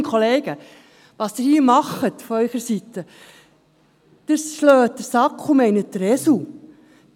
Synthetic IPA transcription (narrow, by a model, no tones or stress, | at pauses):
kʰχoleːɡ̥ə | ʋɑːsd̥̪ɪɾhiːmɑχətfɔœʏχəɾsit̪ːə | d̪̥əsʃløːt̚dəɾsɑkχumɛɪnət̚d̪əɾɛsu